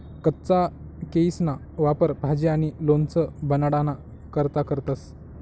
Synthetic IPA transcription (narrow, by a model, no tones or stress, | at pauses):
kət̪ːt͡sa | keisna | ʋapəɾpad͡ʑeaɽ̃ilont͡səbənaɽana | kəɾt̪akəɾt̪as